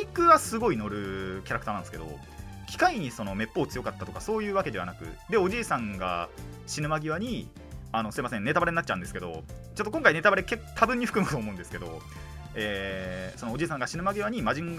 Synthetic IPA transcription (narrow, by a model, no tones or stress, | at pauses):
ikɯ̟βasɨɡo̞ino̞ɾɯ̟kʲaɾakɯ̟t̪aːnãnd̪esɨ̥ked̪o̞̰ | kʲi̥kaiɲ̟iso̞no̞me̞pːo̞ːt͡sɨjo̞kat̪ːat̪o̞kaso̞ːjɯ̟ːβake̞d̪e̞a̰nakɯ̟̰d̪e̞o̞ʑiːsãŋɡa̰ | ɕinɯ̟maɡʲiβaɲ̟i | ano̞sɨɾemas̬ẽ̞nneabaɾe̞ɲinatt͡ɕːaɯ̟̃d̪eɨ̥ke̞d̪o̞̰t͡ɕot̪ːokoŋkainet̪abaɾeke̞kːot̪ʰabɯ̃ɲ̟ːiɸɯ̟̥kɯmɯkt̪oːmo̞ɯ̟̃nd̪esɨ̥ke̞d̪o̞ | eːsonod͡ʑiːs̬ãŋɡaɕinɯ̟maɡʲiβaɲ̟imaʑĩŋɡ